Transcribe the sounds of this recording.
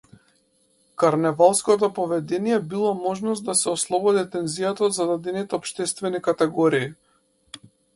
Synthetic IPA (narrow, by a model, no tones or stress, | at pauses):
kaɾnɛvalˠskɔt̪̬ɔpɔvɛd̪ɛnijɛbilˠɔmɔʒnɔst̪̚d̪asɛɔslˠɔbɔd̪it̪ɛnzijat̪aɔd̪zad̪ad̪ɛnit̪ɛɔpʃt̪ɛst̪vɛnikat̪ɛɡɔɾiː